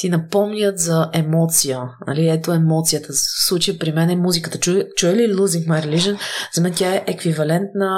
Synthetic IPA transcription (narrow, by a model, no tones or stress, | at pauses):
t̪inɐpɔmnʲət̪zɐʔɛmɔt̪sijənɐ̰liɛt̪oɛmɔt̪sijət̪əfslˠut͡ʃəjəpɾimɛnɛmuzikət̪ət͡ʃut͡ʃuɛlilˠuziŋkmajɾɛliʒənzɐmɛnt̪ʲjaɛʔɛkvivɐlɛnt̪nə